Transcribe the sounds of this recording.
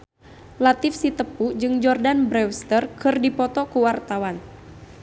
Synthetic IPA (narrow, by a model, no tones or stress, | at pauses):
lat̪ɪfsit̪əpud͡ʒɨŋd͡ʒɔrdanbɾɛwst̪ərkɨrdipɔt̪ɔkuwart̪awan